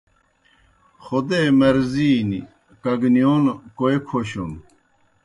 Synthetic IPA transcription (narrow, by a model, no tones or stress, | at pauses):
xod̪emɐɾziːni | kɐɡnijonkoekʰoɕon